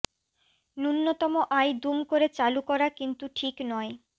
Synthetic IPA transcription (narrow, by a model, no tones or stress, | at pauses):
nunːot̪ɔmoʔajd̪umkoɾet͡ɕalukɔɾakint̪uʈʰiknɔe